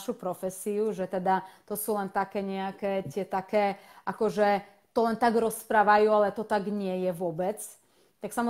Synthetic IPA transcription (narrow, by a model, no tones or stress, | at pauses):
ʃupɾɔfɛsiuʒɛt̪ɛd̪at̪ɔsuːlɛnt̪akɛːɲɛakɛːt̪ɪɛt̪akɛːʔakɔʒɛ | t̪ɔlɛnt̪aɡɾɔspɾaːʋajuːalɛt̪ɔt̪aɡɲɪɛjɛʋʊɔbɛt͡s | t̪aksamɔ